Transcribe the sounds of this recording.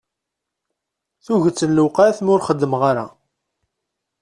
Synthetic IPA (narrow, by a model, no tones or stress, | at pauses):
θuʝət͡sːənluqaθmʊɾχəd̪ːəmʁaɾa̰